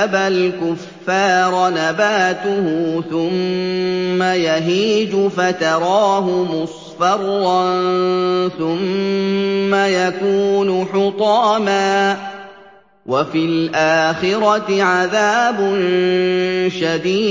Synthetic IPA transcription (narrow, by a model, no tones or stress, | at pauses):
abalkʊfːɑːɾˤnabaːt̪ʊhʊθʊmː | ajaɦiːd͡ʒʊfat̪ɑɾˤɑːɦʊmʊsˤ | fɑɾˤːɑnnθʊmː | ajakuːnʊħʊt̪ˤɑːmaː | wafilʔaːxɪɾɑt̪ɪʕaðaːbʊn | ʃad̪iː